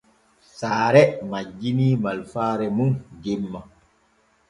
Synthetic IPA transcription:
saːɾɛmad͡ʒːiniːmalfaːɾɛmunɡɛmːa

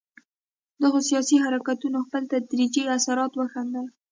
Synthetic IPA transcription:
d̪əɣosijɑsiɦaɾakat̪unoxpəlt̪ad̪ɾid͡ʒiasaɾɑt̪wəxand̪aj

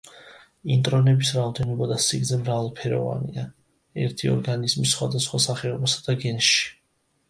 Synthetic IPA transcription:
int̪ʼɾɔnɛbisɾaɔd̪ɛnɔbad̪asiɡzɛmɾavalˠpʰɛɾɔ̰va̰nia | ɛ̰ɾt̪ʰiɔ̰ɾɡanizmisχwad̪asχwasaχɛɔbasad̪̥aɡɛnʃi̥

